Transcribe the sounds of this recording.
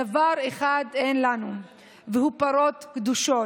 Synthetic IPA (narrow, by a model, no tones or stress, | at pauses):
avaʁeχad̪enlanu | vehupaɾo̞t̪kd̪uʃo